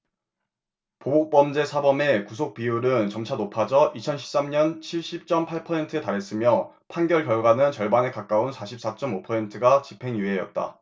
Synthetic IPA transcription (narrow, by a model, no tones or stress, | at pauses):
pobok̚p͈ʌmd͡ʑe̞sʰabʌme̞kusʰok̚p͈iuɾɯnt͡ɕʌmt͡ɕʰanopʰad͡ʑʌʔit͡ɕʰʌnɕʰi̥p̚s͈amɲʌnt͡ɕʰiɭɕ͈ip̚t͡ɕ͈ʌmpʰaɭpʰʌsʰe̞ntʰɯetaɾɦe̞s͈ɯmjʌ | pʰanɡjʌɭkjʌɭɡwanɯnt͡ɕʌɭbanekak͈aunsʰaɕʰip̚s͈at͡ɕ͈ʌmopʰʌsʰe̞ntʰɯɡat͡ɕipʰe̞ŋjuɦejʌ̰t̚t͈a̰